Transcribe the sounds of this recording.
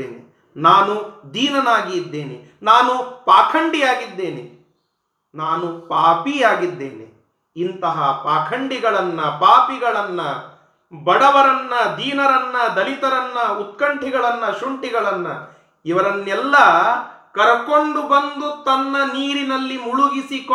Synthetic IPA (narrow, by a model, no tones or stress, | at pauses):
ḛːni | naːnud̪iːnɐnaːɡid̪ːe̞ːni | naːnupaːkʰɐɳɖijaːɡid̪ːe̞ːni | naːnupaːpijaːɡid̪ːe̞ːnḛ | int̪ɐɦɐpaːkʰɐɳɖiɡɐɭɐnːɐpaːpiɡɐɭɐnːɐ | bɐɽɐʋɐɾɐnːɐd̪iːnɐɾɐnːɐd̪ɐlit̪ɐɾɐnːɐut̪kɐɳʈiɡɐɭɐnːɐʃuɳʈiɡɐɭɐnːɐ | iʋɐɾɐnːɛlːɐkɐɾɐko̞ɳɖubɐnd̪ut̪ɐnːɐniːɾinɐlːimuɭuɡisik